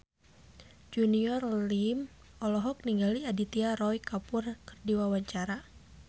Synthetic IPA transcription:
d͡ʒuniɔrlim | ɔlɔɦɔk̚niŋɡaliadit̪iaɾɔjkapʊrkərdiwawaɲt͡ʃaɾa

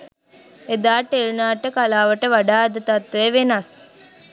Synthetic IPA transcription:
ed̪aːʈeɾunaːʈəkalaːʋəʈəʋaɖaːd̪ət̪at̪ʋeʋenas

